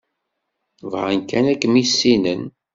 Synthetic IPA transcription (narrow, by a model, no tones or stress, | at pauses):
vʁənkænækːmisːinən